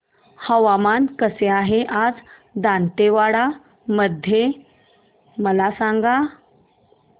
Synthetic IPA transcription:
həʋamankəseaɦeʔad͡z | d̪ant̪eʋaɽa | məd̪ʱje | məlasaŋɡa

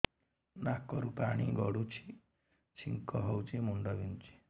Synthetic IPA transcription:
nakɔɾupaɽ̃iɡɔɽut͡ʃʰi̥ | t͡ʃʰiŋkɔɦɔwt͡ʃʰimuɳɖɔbint͡ʃi̥

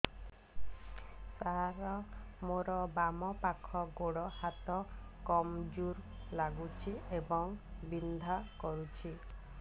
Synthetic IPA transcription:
saɾɔmoɾɔbamɔpakʰɔɡoɽɔhat̪ɔkɔmd͡ʒuɾ | laɡut͡ʃʰiebɔŋbind̪ʱakɔɾut͡ʃʰi

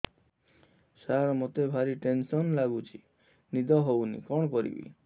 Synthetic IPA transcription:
saɾmot̪ebʱaɾiʈensɔnlaɡut͡ʃʰi | nid̪ʱɔɦownḭkɔɽ̃ɔkɔɾḭbḭ

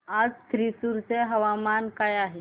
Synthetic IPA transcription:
ad͡zt̪ɾisuɾseɦəʋamankajaɦe

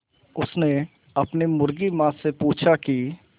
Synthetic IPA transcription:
ʊsne | ɐpnimʊɾɡimãːsepuːt͡ʃʰaki

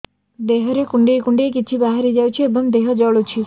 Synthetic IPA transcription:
d̪eɦəɾekuɳɖiekuɳɖiekit͡ʃʰibaɦaɾid͡ʒajt͡ʃʰiebəmd̪eɦəd͡ʒɔɭut͡ʃʰi

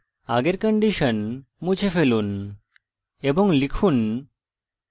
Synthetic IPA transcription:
aɡeɾkɔɳɖiʃon | mud͡ʑʰʱefelun | eboŋlikʰun

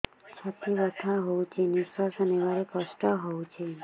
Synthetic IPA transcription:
st͡ʃʰat̪ʰiʋət̪ʰaɦout͡ʃʰeniʃʋasəneʋaɾekəsʈəɦout͡ʃʰe

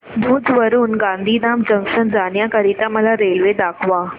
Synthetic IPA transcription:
d̪ʱuːd͡zʋəɾuːnɡãnd̪ʱinamd͡ʑəŋsənd͡zanjakəɾit̪ãməlaɾelʋed̪akʰʋa

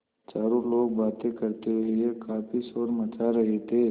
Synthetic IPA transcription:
t͡ʃaːɾõloːɡ̚baːt̪ẽkɐɾt̪eliekaːpisɔːɾmɐt͡ʃaɾɐɦet̪ʰeː

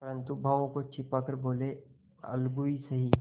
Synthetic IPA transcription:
pɐɾə̃nt̪ubʱaʋõkot͡ʃʰɪpakɐɾboːle | ɐ̰lɡuisɐɦiː

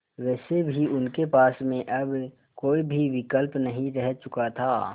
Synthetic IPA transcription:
ʋɛːsebʱiʊnkepaːsmẽʔɐb | koːibʱiʋɪkəlpnɐɦĩɾɛɦt͡ʃʊkat̪ʰaː

